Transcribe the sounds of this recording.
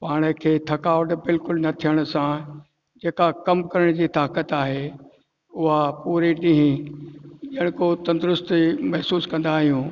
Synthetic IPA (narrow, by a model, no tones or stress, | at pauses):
paːɽ̃əkʰeːt̪ʰɐkaːʋəʈbɪlkʊlnɐt̪ʰijəɽ̃ʊ̆sã | d͡ʑeːkakɐmkɐɾəɽ̃d͡ʑiːt̪aːkət̪aːɦe | ʊɦapuːɾiɗĩɦĩ | ʄɐɽ̃kot̪ɐ̃nd̪ʊɾʊst̪mɐɦsuːskɐ̃nd̪aːɦijũː